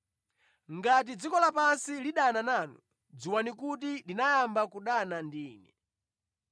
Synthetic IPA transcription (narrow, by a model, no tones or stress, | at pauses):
ŋɡat̬id͡zikɔlapansiliɗananaːnṵ | d͡ziwanikut̬idinajambakuɗanandiːnɛ